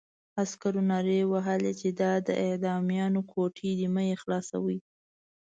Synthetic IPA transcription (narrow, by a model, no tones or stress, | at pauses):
askaɾunɑɾewaɦəlet͡ʃed̪ɑd̪əʔɪd̪ɑmijɑnokʰoʈʰid̪imajexlɑsa̰wi